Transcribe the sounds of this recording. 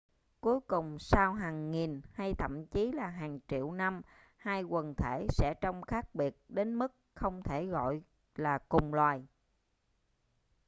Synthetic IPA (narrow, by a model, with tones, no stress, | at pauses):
ku˨˦jkʊ˨˩ŋ͡msaː˧wɦaː˨˩ŋːi˨˩nha˧jt̪ʰə̰˧˨mt͡ɕi˨˦laː˨˩ɦaː˨˩ŋt͡ɕḭ˧˨əwna˧m | haː˧jkwə˨˩nt̪ʰe˧˩sɛ̰˧˥t͡ɕɔ˧wŋ͡mxaː˦˥k̚ɓi˨˩ət̚ɗe˨˦nmɨ˦˥k̚xə˧wŋ͡mt̪ʰe˧˩ɣɔ̰˧˨j | laː˨˩kʊ˨˩ŋ͡mlwaː˨˩j